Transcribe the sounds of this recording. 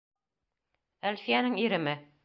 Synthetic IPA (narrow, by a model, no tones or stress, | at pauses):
ælfijænɘŋiɾɘ̆mɘ